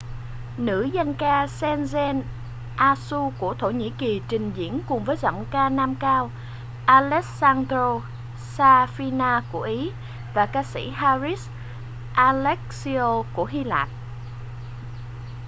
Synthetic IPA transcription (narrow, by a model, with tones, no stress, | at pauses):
nɨ̰˧˥za˧nkaː˧sɛ˧nzɛ˧n | ʔaː˧su˧ku˧˩ət̪ʰo˧˩ɲḭ˧˥ki˨˩t͡ɕï˨˩ŋ̟zḭ˧˥ənkʊ˨˩ŋ͡mvəː˨˦jzɔ̰˧˨wŋ͡mkaː˧naː˧mkaː˧w | ʔaː˧lɛ˦˥k̚saː˧ndɾo˧ | saː˧fi˧naː˧ku˧˩əʔi˨˦ | vaː˨˩kaː˧sḭ˧˥ɦaː˧zi˦˥s | ʔaː˧lɛ˦˥k̚si˧o˧ku˧˩əɦi˧la̰ː˧˨n